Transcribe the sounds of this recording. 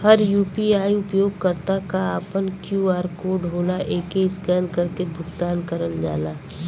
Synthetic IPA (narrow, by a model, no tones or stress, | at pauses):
həɾjuːpiaːiʊpjoːɡkəɾt̪akaaːpənkjuːaːɾkoɖʱɦoːlaʔeːkeɪskənkəɾkebʱʊɡt̪aːnkəɾəld͡ʒa̰ːlaː